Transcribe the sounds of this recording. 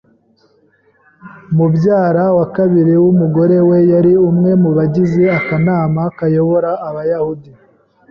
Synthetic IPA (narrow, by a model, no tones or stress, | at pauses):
mubɟaːɾawakaβiɾiwumuɡo̞ɾe̞we̞jaɾiumŋe̞muβaɟizeakanaːmakajo̞βoɾaːβajahudi